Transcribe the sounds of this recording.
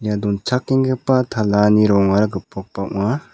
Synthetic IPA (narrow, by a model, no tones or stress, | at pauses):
jadɔnt͡ʃʰakːiŋɡɯpat̪ʰalaniɾɔŋaɾaɡɯpɔk̚pawʔma